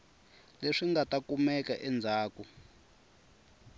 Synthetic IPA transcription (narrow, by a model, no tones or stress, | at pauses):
leʂiŋɡatakumɛkaʔɛnd͡zʱaːku